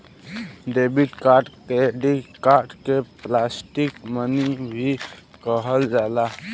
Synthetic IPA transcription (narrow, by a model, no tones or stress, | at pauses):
ɖebiʈkaɾɖt̪eɖikaɾɖkeplasʈikmənibʱikəɦəld͡ʒala